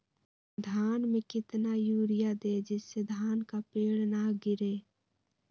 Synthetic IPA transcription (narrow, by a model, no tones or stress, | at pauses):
d̪ʱaːnmẽkɪt̪najuːɾɪjad̪ed͡ʒɪsːed̪ʱaːnkapeːɽnaɡɪɾeː